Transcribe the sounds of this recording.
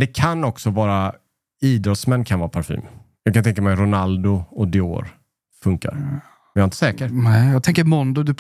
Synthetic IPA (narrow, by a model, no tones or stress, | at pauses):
d̪ɛkʰanɔksɔvɑːɾa | iːd̪ɾɔt̪smɛnːkʰanvɑːɾapʰaɾfḭːm | jɑːɡkʰant̪ʰɛŋkamɛjɾʊnald̪ʊɔd̪ɪo̰ːɾ | fɵŋka̰ɾ | ɛjaɾɪnt̪ə̥sɛːkəɾnɛjɑːɡ̚t̪ɛŋkəɾmɔnd̪ʊd̪ʉ